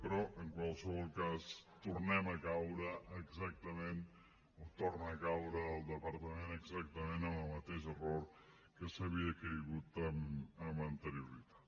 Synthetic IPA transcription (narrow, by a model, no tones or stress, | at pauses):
pɾɔʔeŋkwalseβɔlkast̪uɾnemakawɾaeksak̚t̪amẽn | ot̪oɾnakawɾaðelˠd̪epaɾt̪amẽneɡsak̚t̪amẽnamamat̪eʃeroɾ | kesaβiakeiɣut̪amamant̪eɾjoɾit̪ḁ